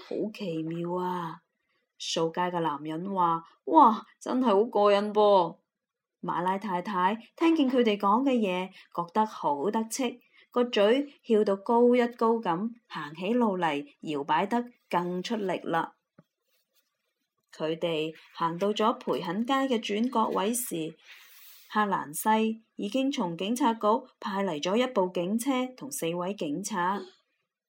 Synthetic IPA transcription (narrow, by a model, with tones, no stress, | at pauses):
ho̰˨˥wkʰe˨˩jmiː˨˧waː˧ | so˧wkaː˧jkɛː˧laː˨˩mjɐ˨˥nwaː˨˩ | wʔaː˧˩t͡sɐ̰˥nhɐ˨jho˨˥wkɔː˧jɐ˨˥npɔː˧ | ma̰ː˨˧laː˧jt̪ʰaː˧jt̪ʰaː˨˥jt̪ʰɛː˥ŋki˨˧nkʰɵ˨˧ɥt̪e˨˩jkɔː˨˥ŋkɛː˧jɛː˨˧kɔː˧k̚t̪ɐ˥k̚ho˨˥wt̪ɐ˥k̚t͡sʰɪ˥k̚ː | ɔː˧t͡ʃɵ˨˥ɥhiː˧wt̪o˧wko˥wjɐ˥t̚ko˥wkɐ˨˥mhaː˨˩ŋɦe˨˥jlo˨˧wlɐ˨˩jjiː˨˩wpaː˨˥jt̪ɐ˥kːɐ˧ŋt͡ʃʰɵ˥t̚lɪ̰˨k̚laː˧ | kʰɵ˨˧ɥt̪e˨jhaː˨˩ŋt̪o˧wt͡sɔː˨˥pʰuː˨˩jɦɐ˨˥nkaː˥jkɛː˧t͡ʃyː˨˥nkɔː˧k̚wʔɐ˨˥jsiː˨ | haː˧la̰ː˨˩nsɐ˧jjiː˨˧kɪ˥ŋt͡sʰʊ˨˩ŋkɪ˨˥ŋt͡sʰaː˧t̚ko˥wpʰaː˧jlɐ˨˩jt͡sɔː˨˥jɐ˥t̚po˨˧wkɪ˨˥ŋt͡sʰɛː˥t̪ʰʊ˨˩ŋse˧jwɐ˨˥jkɪ˨˥ŋt͡sʰaː˨˩t̚